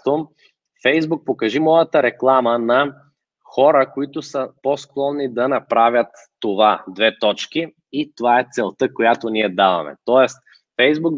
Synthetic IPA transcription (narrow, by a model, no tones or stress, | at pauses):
t̪o | fɛjzbuk̚pokɐʒimɔjət̪əɾɛklˠamənɐ | xɔɾəkoit̪ʊsəpɔsklˠɔnːid̪ɐnɐpɾavʲjət̪ːovad̪vɛt̪ɔt͡ʃki | it̪ovaɛt̪sɛlˠt̪əkojat̪oniɛd̪avɐ̰mɛ̰t̪ɔɛst̪ | fɛjzbuk̚